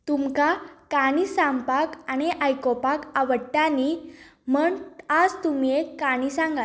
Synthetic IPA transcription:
t̪umkakaɽisampakañiʔajkɔpakaʋəɽʈ̪ani | məɳad͡zt̪umiekaɽ̃isãŋɡa

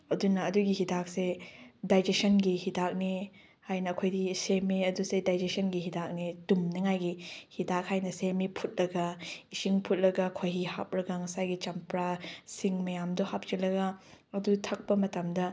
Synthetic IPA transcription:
ɐdunɐːduɡihidak̚sedajd͡ʒesɐnɡihidak̚ne | hajnɐːkʰojdisemeɐdusedajd͡ʒesɐnɡiɦidak̚netumnɐŋajɡihidak̚hajnɐsemepʰut̚lɐɡɐisiŋpʰut̚lɐɡɐkʰojɦiha̰p̚ɾɐɡɐŋɐsajɡit͡ʃɐmpɾasiŋmɐjamdɔhap̚t͡ʃilɐɡɐːdutʰɐk̚pɐmɐtɐmdɐ

